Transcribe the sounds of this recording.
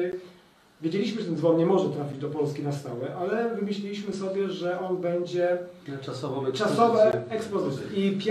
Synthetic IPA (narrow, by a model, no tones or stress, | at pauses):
vʲjed͡ʑelʲiɕ̬mɘʐɛt̪ɛnzvɔnɲɛmɔʐɛt̪ɾafʲid͡ʑd̪ɔpɔlskʲinast̪awɛʔalɛvɘmɘɕlʲilʲiɕmɘsɔbʲjɛʐɛʔɔnbɛɲd͡ʑɛt͡ʂasɔvɔ̃ɛt͡ʂasɔvɛɛksplɔzɪt̪sʲjɛipʲ